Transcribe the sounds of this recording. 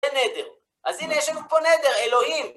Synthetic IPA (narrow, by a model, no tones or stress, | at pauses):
ened̪eʁ | ʔazinejeʃanuponed̪e̞ʁe̞lo̞him